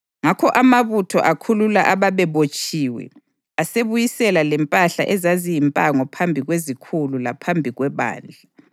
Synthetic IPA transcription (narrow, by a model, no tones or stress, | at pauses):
ŋakʰɔʔamaβutʰɔ̰ʔakʰululaʔaβaβɛβot͡ʃʼiːwɛ̰ | aseβujisɛlalɛmpʼaɬa̰ʔɛzazijimpʼaŋɔpʰambʱiɣwezikʰululapʰambʱiɣwɛβa̰ːnd͡ɮʱa